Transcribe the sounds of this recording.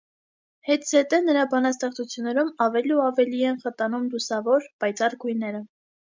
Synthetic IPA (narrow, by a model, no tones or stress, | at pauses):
hɛt̪d͡zɛt̪ɛnəɾɑbɑnɑst̪ɛχt͡sʰut͡sʰjunːɛɾumɑvɛliuɑvɛliɛnχət̪ɑnumlusɑvɔɾpɑjt͡sɑrɡujnɛɾə